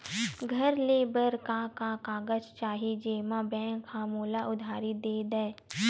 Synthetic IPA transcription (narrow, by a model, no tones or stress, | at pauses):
ɡʱəɾleːbəɾkakakaːɡəd͡ʒt͡ʃaːɦid͡ʒeːmãbɛ̃ːŋkʰːamuːlaʔʊd̪ʱaːɾid̪eːd̪ɛe